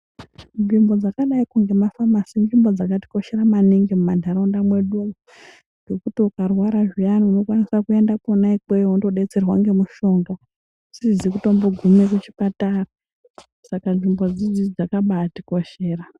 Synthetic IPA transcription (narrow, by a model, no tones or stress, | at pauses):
nʐimbo̞d͡zakaɗaikuŋɡe̞mafamasinʐimbo̞d͡zakati̥ko̞ʃe̞ramaniŋɡemumandʱaɾondamwe̞ɗumu | ŋɡe̞kutiukarwaɾaʐijaniuno̞kwanisakue̞ndakonaikejoundo̞ɗe̞t͡se̞rwaŋɡe̞muʃoŋɡa | sizd͡zikuto̞mboɡʱumekut͡ʃi̥patara | sakanʐimbo̞d͡zid͡zid͡zakaɓatiko̞ʃe̞ːra